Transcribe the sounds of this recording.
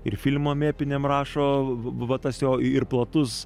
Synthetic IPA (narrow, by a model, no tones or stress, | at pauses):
ɪɾfʲɪlʲmoːmʲeːpʲɪnʲeːmrɑːʃoːʋɐt̪ɐsjoːɪrplˠɐt̪ʊs